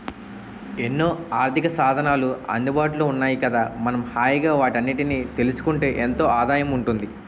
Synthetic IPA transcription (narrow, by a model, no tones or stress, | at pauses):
e̞nːoːaːɾt̪ʰikɐsaːd̪ʱɐnaːluɐ̰nd̪ubaːʈloːunːaːjikɐd̪aːmɐnɐmhaːjiɡaːʋaːʈɐnːiʈiniːt̪e̞lusu̥kuɳʈe̞ːʔent̪o̞ːʔaːd̪aːjɐmuɳʈund̪i